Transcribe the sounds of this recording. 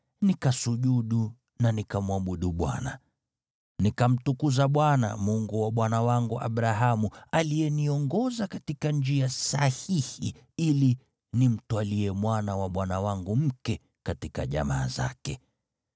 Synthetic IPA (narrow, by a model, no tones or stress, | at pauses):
nikasuʄuɗu | nanikamwaɓuɗuɓwa̰na | nikam̩tukuzaɓwana̰muŋɡuwaɓwanawaŋɡuʔa̰ɓɾaɦamualijɛniɔŋɡɔzakatikand͡ʒiasahihi | ili | nim̩twaliɛmwanawaɓwanawaŋɡum̩kɛ | katika̰ʄa̰maːza̰kɛ